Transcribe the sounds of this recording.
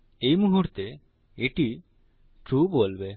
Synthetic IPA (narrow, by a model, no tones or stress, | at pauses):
ejmuɦuʈt̪e | eʈi | ʈɾubolbe